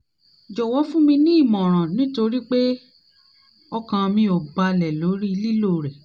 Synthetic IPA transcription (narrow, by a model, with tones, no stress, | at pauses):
d͡ʒɔ˨wɔ˨˦fũ˦mĩ˧nĩ˦i˦˨mɔ̃˨ɾ̃ã˨nĩ˨˦to˧ɾi˦k͡pe˦ | ɔ˦kã˧mĩ˧o˨ba˧lɛ˨lo˨˦ɾi˦i˧li˦lo˦˨ɾɛ˨